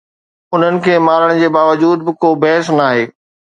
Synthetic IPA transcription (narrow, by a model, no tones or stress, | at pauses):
ʊn̤ənɪ̆kʰeːmaːɾəɽ̃d͡ʑeːbaːʋəd͡ʑuːd̪bɪkoːbɛɦɪsnaːɦeː